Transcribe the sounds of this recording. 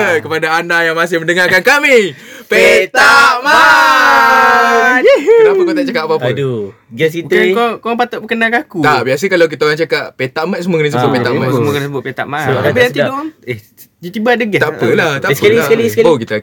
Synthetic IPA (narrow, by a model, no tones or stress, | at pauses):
kəpadaːndajaŋmas̬ɪhməndəŋarkankami | pet̪aʔma | t̪apəkot̪aʔt͡ʃakaʔpapədo | ɡɛskikkoaŋpat̪ʊʔbəkənakakut̪aʔbias̬əkalawk̬it̪aoɾaŋt͡ʃakaʔpet̪aʔmat̪̚səmuəkənəs̬əbʊt̪̚pett̪a̰ʔmasmuokənəsəbʊt̪̚pet̪a̰ʔmaabiaidʊʔaŋe | d͡ʒat̪ibadəɡɛt̪aʔpəlaht̪aʔsailasalisaokit̪a